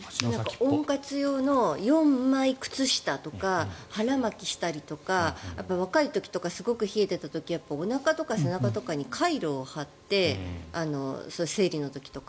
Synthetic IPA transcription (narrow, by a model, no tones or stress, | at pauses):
nãkaõ̞ŋkat͡sɨjo̞ːno̞jõ̞mːaikɯ̟̥t͡sɨɕi̥t̪at̪o̞kahaɾamakʲiɕi̥t̪aɾʲit̪o̞kajapːaβ̞akait̪o̞kʲi̥t̪o̞kasɨɡo̞kɯ̟çie̞t̪e̞t̪at̪o̞kʲijapːaonakat̪o̞kase̞nakat̪o̞kaɲ̟ikʰaiɾo̞ːhat̪ːe̞ano̞̰soɯse̞ːɾʲino̞t̪o̞kʲi̥t̪o̞ka